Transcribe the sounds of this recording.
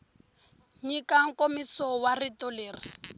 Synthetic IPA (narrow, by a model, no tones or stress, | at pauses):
ɲikaŋkʼomisɔwaritɔleːri